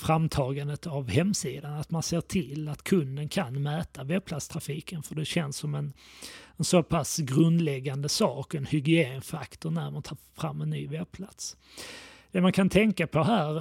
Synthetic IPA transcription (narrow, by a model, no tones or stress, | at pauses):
fɾamt̪ʰɑːɡand̪ət̪avhɛmːsiːd̪anat̪manseːʈʰɪlːat̪kʰɵnd̪ənkʰanmɛːt̪avɛb̚pʰlat̪st̪ʰɾafiːkənfœɖɛɕɛnsːɔmɛnɛnsopʰasɡɾɵnd̪lɛɡːand̪əsɑːkɛnhʏɡɪeːnfakt̪ʊɳæɾmant̪ʰɑːɾfɾamːɛnːyːvɛb̚pʰlat̪s | d̪̥ɛmankʰant̪ʰɛŋkapʰɔɦæːɾ